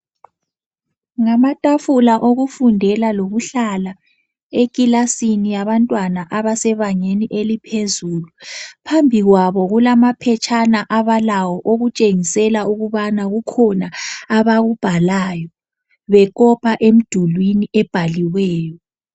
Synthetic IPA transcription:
ŋamatʼafulaʔoɣufundʱɛlaloɣuɬala | ekʼilasinijaβantʼwanaʔaβasɛβaɲeniʔelipʰezuːlupʰambʱiɣwaβɔɣulamapʰɛt͡ʃʰʼanaʔaβalawɔʔoɣut͡ʃʼeŋisɛlauɣuβanaɣukʰɔnaːβaɣub̥ʱalajɔ | βɛk̬ʼɔpʰaʔem̩d̥ʱulwiniɛb̥ʱaliwɛːjɔ

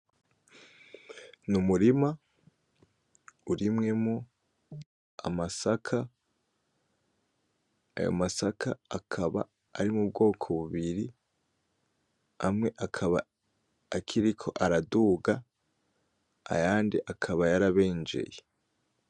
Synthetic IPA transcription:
numuɾima | uɾimŋe̞mo | a̰masakʰa | a̰jo̰masakʰaakʰaβa̰ː | ɾimub̚ɡo̞ːkʰo̞βuβiɾi | a̰mŋe̞ʔakʰaβa̰ː | kʰiɾikʰo̞ʔaɾaduɡa | a̰jaːndiʔakʰaβajaɾaβeːnd͡ʒe̞̰je

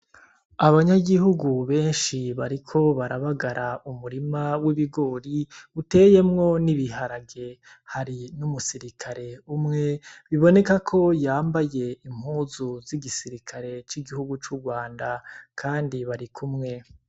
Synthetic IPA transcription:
aβaɲaɡiɦuɡuβe̞ːnʃiβaɾikʰo̞βaɾaβaɡaɾʔaumuɾimawiβiɡo̞ːɾiute̞je̞mŋo̞niβiɦaɾaɡe̞ | haɾinumusiɾikʰaɾe̞umŋe̞βiβo̞ne̞kakʰo̞jaːmbaje̞im̥huːzuziɡisiɾikʰaɾe̞t͡ʃiɡihuɡut͡ʃuɡwaːndakʰaːndiβaɾikʰumŋe̞

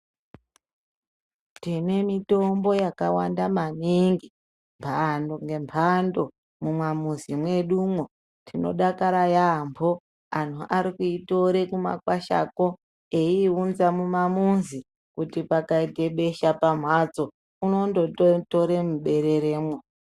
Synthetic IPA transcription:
tine̞mito̞mbo̞jakawandamaniŋɡi | mpʰandoŋɡe̞mpʰando̞ | mumwamuzimwe̞ɗumwo | tino̞̰ɗakaɾajambo̞ | antʰuʔaɾikuito̞ɾe̞kuma̰kwaʃa̰ko̞ | eiunzamumamunzi | kutipakaiɡʱe̞ɓe̞ʃapam̤wad͡zo̞ | uno̞ndootoɾe̞muɓe̞ɾe̞ɾe̞ːmwe

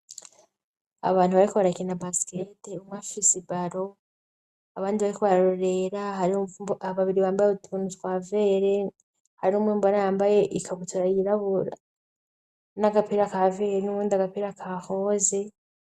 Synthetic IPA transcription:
a̰βaːn̥huβaɾikuβaɾakinabasi̥keteumŋafisibaɾo̞ | aβaːndiβaɾikuβaɾaɾoɾe̞ɾaɦaɾiaβaβiɾiβaːmbajeutʰunukwaːve̞ːɾe̞ | haɾiumwiːmboɾajaːmbaje̞ʔikʰaɡutuɾajiɾaβuɾa̰ | naɡapiːɾakaveːɾenuuːndaɡapiɾakʰaho̞ːze

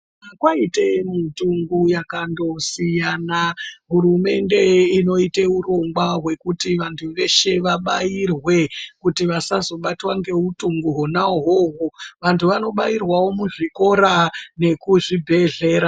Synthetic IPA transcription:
akwaitemutuŋɡujakando̞sijanaɦuɾume̞nde̞ino̞iteuro̞ŋɡwaɦwe̞kutiʋantʰuʋe̞ʃe̞ʋaɓajirwe̞kutiʋasazo̞ɓatwaŋɡe̞utuŋɡuɦonaɦoɦoʋantʰuʋano̞ɓajirwawo̞muʐiko̞ɾane̞kuʐibʱe̞ɮe̞ːɾa

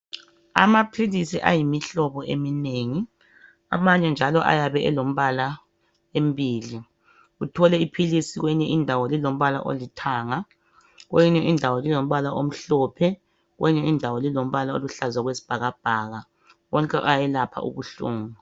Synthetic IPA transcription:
a̰mapʰilisiʔa̰jimiɬɔβɔʔemineŋi | a̰maɲɛnd͡ʒʱalɔʔa̰jaβɛʔɛlom̩βala | embʱiːli | ɣutʰɔlɛipʰilisiɣwɛɲɛʔindʱawɔlilom̩βala̰ʔo̰litʰaːŋa | ɣojiɲɛʔindʱawɔlilom̩βalaʔom̩ɬɔpʰɛ | ɣwɛiɲɛindʱawɔlilom̩βalao̰luɬazwaɣwesi̥b̥ʱaɣab̥ʱaːɣa | wɔŋkʼɛʔajɛlapʰa̰ʔṵɣuɬuːŋu

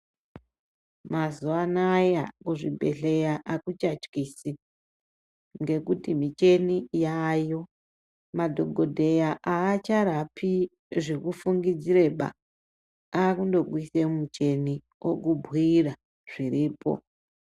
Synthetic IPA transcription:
mazuanajakuʐibʱe̞̰ɬe̞jaʔakut͡ʃat͡ʃkiːsi | ŋɡe̞kutimit͡ʃe̞nijaːjo̞ | madʱo̞ɡʱodʱe̞jaʔaːt͡ʃaɾapʰi | ʐikufuŋɡid͡ziɾe̞ɓa̰ | akundo̞ɡwisemumut͡ʃe̞ni | o̰k̬ubʱwira | ʐ̥iriːpo̞̰

